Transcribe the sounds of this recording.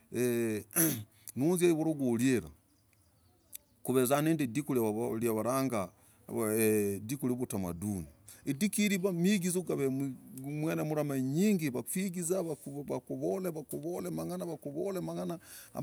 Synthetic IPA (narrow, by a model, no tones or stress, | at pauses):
e | nunzjaiβuɾoɡoljeɾa̰ | kuβezaneːndidikulljaβaɾaːŋɡa | dikuliβutama̰duniidikiɾiβamiɡizuɡaβemwenamuɾamaɲiːŋɡiβafiɡizaβakβakuβoleβakuβolemaŋanaβakuβolemaŋanaa̰